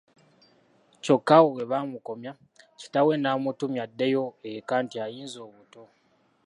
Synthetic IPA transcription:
co̞kːawowe̞βamuko̞mja | ci̥tawe̞naːmutumjadːe̞jo̞ekaːntiajiːnzo̞ːβuto̞

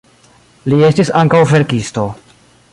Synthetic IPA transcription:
lie̞stisaŋkawve̞ɾkisto̞

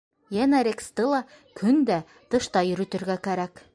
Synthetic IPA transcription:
jænæɾekst̪əlˠɑ | kʰɵnd̪æ | t̪ɤ̆ʃt̪ɑjɵ̆ɾɵ̆t̪ɵ̆ɾɡækæɾæk

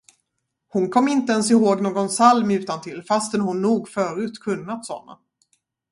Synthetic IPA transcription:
hʊnkʰɔmːɪnt̪əɛnsɪɦoːɡnoːɡɔnsalmʉ̟ːt̪ant̪ʰɪlfast̪ɛnhʊnːuːɡfœːɾʉ̟ːt̪kʰɵnːat̪sɔ̰nːa̰

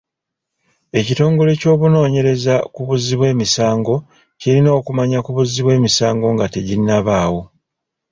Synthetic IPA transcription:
e̞cito̞ːŋɡo̞le̞co̞ːβuno̞ːɲe̞ɾe̞zakuβuziβwe̞ːmisaːŋɡo̞ | cilino̞ːkumaɲakuβuziβwe̞ːmisaːŋɡo̞ŋɡate̞ɟinːaβaːwo̞

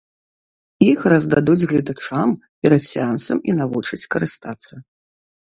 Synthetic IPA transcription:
ixrɐzd̪ad̪ud͡zʲɣlʲid̪at͡ʂampʲɛɾɐt̪sʲant̪sɐminavut͡ʂɐt͡sʲkɐɾɨst̪at̪sːɐ

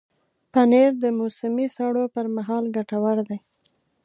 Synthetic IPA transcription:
paneɾd̪əmosɪmisaɽopəɾmaɦɑlɡaʈawaɾd̪aj

